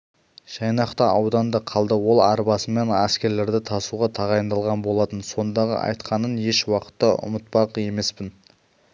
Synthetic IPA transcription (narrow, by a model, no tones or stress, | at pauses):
ʒ̥ɑjnɑqt̪əɑwd̪ɑnd̪əqʰɑlˠd̪əwo̞lˠɑɾbɑsəme̞næskʲe̞ɾle̞ɾd̪ɪt̪ʰɑsuʁɑt̪ʰɑʁɑjənd̪ɑlˠʁɑnbo̞lˠɑt̪ənso̞nd̪ɑʁə̰ʔɑ̰jt̪qɑnənje̞ʃwɑqə̥t̪ːɑʔʊ̰mət̪̚pɑqe̞me̞spɪn